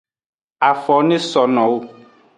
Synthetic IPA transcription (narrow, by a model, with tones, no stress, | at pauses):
a˨fɔ˨nẽ˦sɔ˨nɔ̃˨wo˦